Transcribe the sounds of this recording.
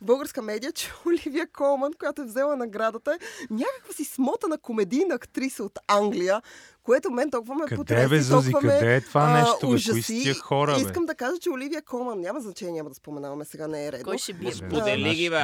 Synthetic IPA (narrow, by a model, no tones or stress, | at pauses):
bəlˠɡəɾskəmɛd̪ijət͡ʃɛ̥olivijəkʰɔlˠmɐnkojat̪oɛvzɛlˠənɐɡɾad̪ət̪əɛɲʲakəkvəsismɔt̪ənɐkomɛd̪ijnɐːkt̪ɾisəot̪aŋɡlijə | koɛt̪omɛnt̪okvɐmɛkɐpot̪ɛɛvɛzɔzivɐmɐɛd̪ɛt̪ovanɛʃuʒɐisiixɔɾəiskəmd̪ɐkaʒət͡ʃɛolivijəkɔlˠmɐnːʲamɐznɐt͡ʃɛnʲijəmɐd̪ɐspomɛnavɐmɛsɛɡanɛːɾɛd̪ɔojʃɛbpuɛliɡivɛ